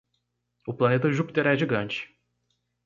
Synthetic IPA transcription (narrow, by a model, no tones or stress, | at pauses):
uplˠanet̪ʰaʒup̚d̪eɾæd͡ʒiɡant͡ʃ